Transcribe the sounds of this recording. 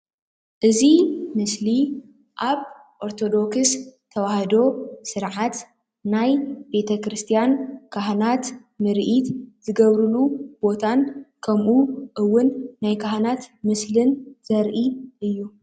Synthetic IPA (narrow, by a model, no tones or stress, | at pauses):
ʔɨzimɨsli | ʔaβ | ʔo̞ɾt̪ʰo̞d̪o̞kst̪ʰɐwahd̪o̞sɨɾʕat̪ | najbe̞t̪ʰɐkɾɨst̪ʰijankʰaɦnat̪ | mɨɾʔit̪z̥ɨɡɐβɾɨlub̥o̞t̪ʰankʰɐmʔuʔɨwːʊnːajkʰaɦnat̪mɨslɨnz̥ɐɾʔiʔɨjːu